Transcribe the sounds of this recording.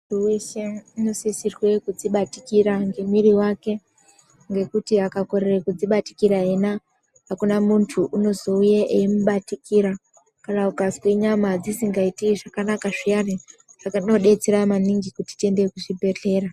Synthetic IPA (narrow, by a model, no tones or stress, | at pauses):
uweʃeninosisirwe̞kud͡ziɓatikiɾaŋɡe̞miɾiwake̞ | ŋɡe̞kutiakako̞ɾerekud͡ziɓati̥kiɾaɦena | ɦakunamuntʰuʔuno̞zo̞ujeʔeimuɓatikiɾa | kanaukazwiɲamad͡zisiŋɡaitiʐakanakaʐijariʐ̥akno̞ɗe̞t͡seɾamaniŋɡikuti̥tie̞ndekuʐibʱe̞ɬe̞ːra